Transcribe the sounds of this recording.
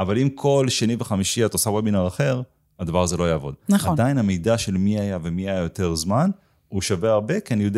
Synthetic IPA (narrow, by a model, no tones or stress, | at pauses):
avalimkʰo̞lʃeniveχamiʃiatosawebinaʁaχe̞ʁ | adavaʁazelo̞ajaːvo̞̰d̪̚naad̪ainamejdaʃe̞lmiajavemiajajo̞te̞ʁzman | uʃaveaʁbe̞keanijode